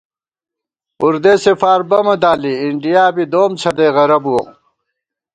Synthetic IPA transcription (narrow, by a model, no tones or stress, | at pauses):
uɾd̪eːsefaːɾbɐmɐd̪aːliːɳɖijaːbid̪oːmt͡sʰɐd̪eːɣɐɾɐbuo